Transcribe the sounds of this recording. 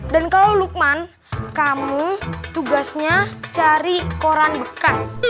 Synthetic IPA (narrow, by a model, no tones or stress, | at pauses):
dankalawluk̚man | kamut̪uɡasɲat͡ʃaɾikoɾanbəkas